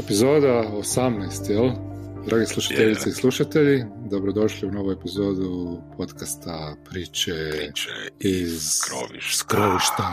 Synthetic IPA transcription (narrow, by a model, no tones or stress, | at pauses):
e̞pizo̞ːd̪aosamnajst̪jeld̪ɾʔaːɡeslˠuʃḁt̪eʎit̪eislˠuʃat̪e̞ʎid̪o̞bɾod̪o̞ʃliuno̞ʋoepizo̞ːd̪upʰo̞t̪kast̪apɾiːt͡ʃe | iz | kɾoʋiʃt̪a